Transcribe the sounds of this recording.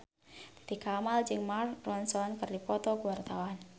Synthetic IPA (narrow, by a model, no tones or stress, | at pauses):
d̪̥ḁd̪ikamald͡ʒɨŋmarːɔnsɔnkɨrdipɔt̪ɔɡuwart̪awan